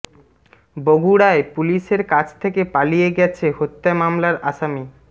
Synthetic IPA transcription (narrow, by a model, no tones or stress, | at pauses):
boɡʱuɽaepuliʃeɾkat͡ɕʰt̪ʰekepalijeɡɛt͡ɕʰeɦot̪ːaemamlaɾaʃami